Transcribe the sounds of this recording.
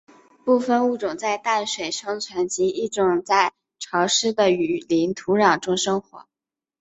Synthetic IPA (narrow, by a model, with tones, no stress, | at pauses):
pu˥˧fə˥˧nu˥˩ʈ͡ʂʊ˨˩ŋt͡sa˥˧ɪt̪a˥˩nʂwe˨˩ɪʂɤ˥ŋt͡sʰwa˧˥nt͡ɕi˧˥i˥˩ʈ͡ʂʊ˨˩ŋt͡sa˥˩ɪ | ʈ͡ʂʰɑ˧˥ʊʂɻ̩˥d̪ə˨y˨˩li˧˥nt̪ʰu˧˥ɻɑ˨˩ŋʈ͡ʂʊ˥ŋʂɤ˥ŋxwɔ˧˥